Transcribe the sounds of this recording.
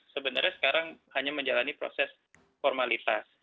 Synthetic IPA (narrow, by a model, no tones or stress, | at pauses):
səbənərɲasə̥kaɾaŋhaɲaməɲd͡ʒalanipɾo̰sɛs | fɔrmalit̪as